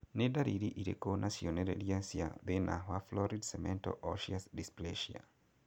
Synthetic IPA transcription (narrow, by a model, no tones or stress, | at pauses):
nedaɾiɾiʔiɾḛkonʔasiɔneɾeliasiabenʔa̰ɦwaflɔɾidsɛmɛ̃ntɔ̰ʔɔʃiasdispleʃia̰